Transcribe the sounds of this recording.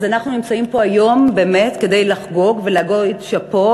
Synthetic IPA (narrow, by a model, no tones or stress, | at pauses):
zanaχnunimt͡saimpo̞ajo̞mbe̞ːme̞tke̞dejlaχɡo̞ɡvelaɡoitʃapo̞